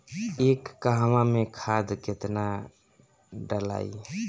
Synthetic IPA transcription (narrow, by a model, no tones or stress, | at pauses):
ekːaɦmamekʰad̪ket̪na | ɖəla̰i